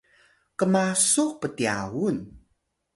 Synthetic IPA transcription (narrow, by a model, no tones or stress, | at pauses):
kəmasuqpətia̰wun